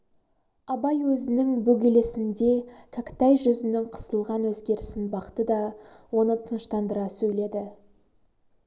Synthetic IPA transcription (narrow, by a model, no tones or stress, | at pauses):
ɑbɑjwɵzɪnɪŋbɵɡʲele̞sɪnd̪e̞kʲʰakʲt̪ɑjʒʏzɪnɪŋqʰə̥səlˠʁɑnwɵzɡʲe̞ɾɪsɪnbɑqə̥t̪əd̪ɑwo̞nət̪ʰənəʃt̪ɑnd̪əɾɑsɵjle̞d̪ɪ